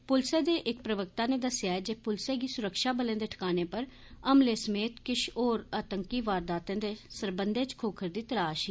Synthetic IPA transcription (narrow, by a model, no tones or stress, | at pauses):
pʊlseːd̪eːʔɪk̚pɾəʋək̚t̪aːneːd̪əsɪjaːɛd͡ʒeːpʊlseːɡiːsʊɾəkʃaːbəlẽːd̪eːʈʰə̥kaːneːpəɾ | əmleːsəmeːt̪kɪʃʰoːɾaːt̪əŋkiːʋaːɾd̪aːt̪ẽːd̪eːsəɾbənd̪eːt͡ʃkʰoːkʰəɾd̪iːt̪əlaːʃiː